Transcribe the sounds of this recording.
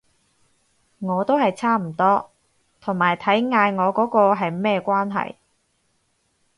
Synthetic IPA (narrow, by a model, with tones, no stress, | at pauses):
ŋɔː˨˧t̪o˥wɦɐ˨jt͡sʰaː˥m̩˨˩t̪ɔː˥ | t̪ʰʊ˨˩ŋmaː˨˩jt̪ʰɐ˨˥jŋaː˧jŋɔː˨˧kɔː˨˥kɔː˧ɦɐ˨jmɛː˥kʷwaː˥nɦɐ̰˨j